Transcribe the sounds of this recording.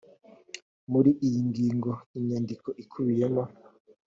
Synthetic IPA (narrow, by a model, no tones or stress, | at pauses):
muɾiʔijiŋɡiːŋɡoiɲɲandikoʔikʰuβijemo